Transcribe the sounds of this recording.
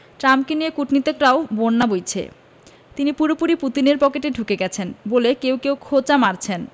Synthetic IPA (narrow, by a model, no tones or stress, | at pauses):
ʈɾamkeniekuʈnit̪ekɾaobonːabojt͡ɕʰḛ | t̪inipuɾopuɾipɾut̪ineɾpɔkeʈeɖʱukeɡɛt͡ɕʰenbolekewkewkʰot͡ɕamaɾt͡ɕʰen